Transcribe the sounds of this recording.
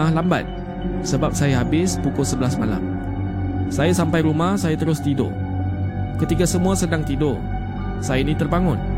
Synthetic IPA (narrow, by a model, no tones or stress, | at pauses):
ahlamba̰t̪̚ | səbap̚sajaɦabɪspukʊsəbəlasmala̰m | sajasampajɾumahsajat̪əɾʊst̪ido̰ʔ | kət̪ikasəmũasədaŋt̪idʊ | sajainĩt̪ərbaŋʊ̃n